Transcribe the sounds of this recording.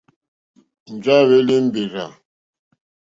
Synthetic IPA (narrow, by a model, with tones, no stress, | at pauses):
n̩˨d͡ʒa˦βe˦li˦m̩˦bi˨ɾa˨